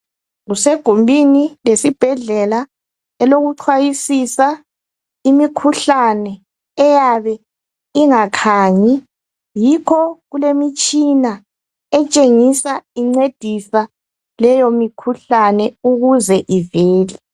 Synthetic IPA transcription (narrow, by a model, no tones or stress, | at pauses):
ɣuseɡ̥ʱumbʱinilesib̥ʱɛɮɛla | ɛloɣuǀʰwajisisa | imikʰuɬanɛː | jaβɛ | iŋakʰaːɲɛ | jikʰɔɣulemit͡ʃʼina | ɛt͡ʃʼeŋisaiŋ͡ǀed̥ʱisa | lɛjomikʰuɬanɛuɣuzɛʔiveːli